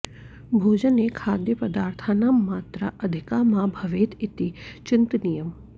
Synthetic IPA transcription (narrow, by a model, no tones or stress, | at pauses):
bʱoːd͡ʒənekʰaːd̪jəpəd̪aːɾt̪ʰanamːaːt̪ɾə̰ʔɐd̪ʱɪkamãbʱɐʋeːt̪it̪it͡ʃɪnt̪nijəm